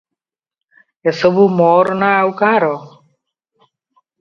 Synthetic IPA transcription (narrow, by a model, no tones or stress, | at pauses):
esɔbumɔɾnaːwkaɾɔ